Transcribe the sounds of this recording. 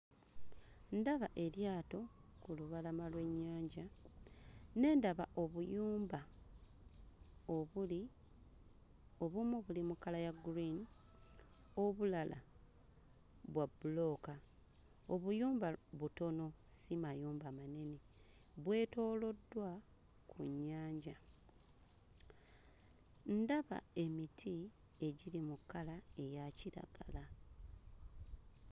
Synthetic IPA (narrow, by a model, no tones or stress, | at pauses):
ndaβaʔe̞ɾjaːto̞ | kuluβalamalwe̞ɲːaːɲɟa | ne̞ːndaβa̰ʔo̞βujuːmba | oβuli | o̞βumuβulimukalajaɡuɾin | oβulala̰ | βwabulo̞ːka | o̞βujuːmbaβuto̞no̞simajuːmbamane̞ne | βwe̞ːto̞ːlo̞dwa | kʰuɲːaːɲɟa | ndaβa̰e̞mitʰi | e̞ɟilimukːalae̞jaciɾa̰ɡ̥ala